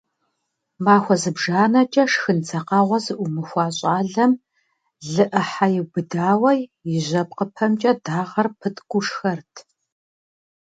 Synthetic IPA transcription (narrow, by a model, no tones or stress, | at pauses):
maːxʷɔzɨbʒaːnɐt͡ʃʼɐʂxɨnt͡sʰɐqɑːʁʷɐzɨʔʷʊmɨxʷɑːɕʼaːɮɐm | ɮɨʔɐħajɪbɨdaːwɐjjɪʑɐp̚qəpʰɐmt͡ʃʼɐdaːʁɐrpʰɨtʰʼɡʷʼʊʂxɐrtʰ